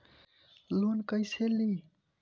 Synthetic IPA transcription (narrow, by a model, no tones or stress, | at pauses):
lonkəjseli